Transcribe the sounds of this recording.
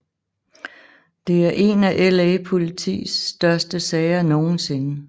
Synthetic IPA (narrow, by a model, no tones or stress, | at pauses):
d̥e̝æɐʔe̝ːnæʔelepʰo̝lit͡sʰḭːsd̥ɶɐsd̥əsɛːɪɐno̝ːn̩se̝nə